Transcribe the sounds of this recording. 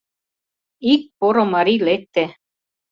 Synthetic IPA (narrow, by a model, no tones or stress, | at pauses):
ik̚poɾomaɾilet̪ːe